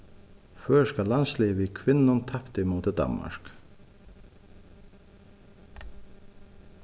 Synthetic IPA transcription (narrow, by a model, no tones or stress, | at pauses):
føːskalansliːʋikʰʋɪnːʊnt̪ʰɑpt̪ɪmuːt̪ɪd̪ɑ̰mma̰ɹ̥k